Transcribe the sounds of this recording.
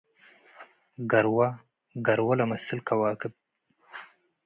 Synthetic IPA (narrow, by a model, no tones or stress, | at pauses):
ɡaɾwa | ɡaɾwalamasɪlkʰawɑːkɪb̚